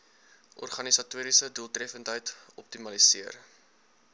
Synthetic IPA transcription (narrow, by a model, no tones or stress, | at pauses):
ʔɔ̰rχɐnisɐtuəɾisəduəlˠtrɛfəntɦəjt | ɔp̚timɐlisiər